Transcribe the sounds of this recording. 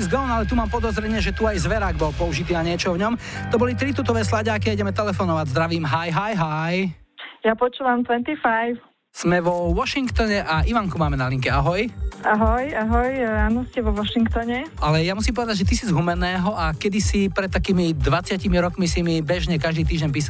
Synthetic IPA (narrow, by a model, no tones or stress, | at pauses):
zɡɔnalɛt̪umaːmpɔd̪ɔzɾɛɲɪɛʒɛt̪uajzʋɛɾaːɡbɔlpɔuʒit̪iːnaɲɪɛt͡ʃɔvɲɔmt̪ɔbɔlit̪ɾit̪̬ut̪ɔʋɛːslaɟakiaiɟɛmɛt̪ɛlɛfɔnɔʋaɟzd̪ɾaʋiːmɦajɦajɦaj | japɔt͡ʃuːʋamt̪ʋɛnt̪ifajf | z̥mɛʋɔʋɔʃiŋkt̪ɔɲɛʔaʔiʋaŋkumaːmɛnaliŋkɛaɦɔjaɦɔjaɦɔjaːnɔscɛʋɔʋɔʃiŋkt̪ɔɲɛalɛjamusimpɔʋɛd̪aɟʒɛt̪isizɦumɛnɛːɦɔakɛd̪isipɾɛt̪̚t̪ːakiːmid̪ʋat͡sɪacimiɾɔkmisimibɛʒɲɛkaʒd̪iːt̪̬iːʒɟɛɲp̬iːs̬a